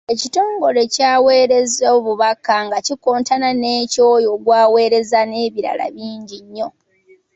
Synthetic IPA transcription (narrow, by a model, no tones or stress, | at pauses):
e̞cito̞ːŋɡo̞le̞caːweːɾe̞zoːβuβakaŋɡacikoːntananeːco̞ːjo̞ːɡwaːwe̞ːɾe̞zane̞ːβiɾa̰la̰βiːɲɟiɲːo̞